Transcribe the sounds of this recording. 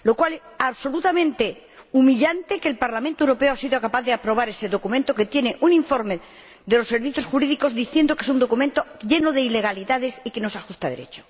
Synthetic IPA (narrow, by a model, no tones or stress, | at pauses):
lo̞kwaleaβso̞lut̪amẽnt̪e | umiʎant̪e̞keːlpaɾlamẽnt̪oewɾo̞peoasiðokapaθðeapɾo̞β̞aɾe̞se̞ðo̞kumẽnt̪oke̞t̪je̞neʔuniɱfo̞ɾme | ðelo̞sːe̞ɾβiθjo̞sxuɾiðiko̞zd̪iθje̞nd̪o̞kee̞sund̪o̞kumẽnt̪oʝe̞noðe̞ile̞ɣ̞aliðaðe̞sike̞no̞saxust̪aðḛɾet͡ʃo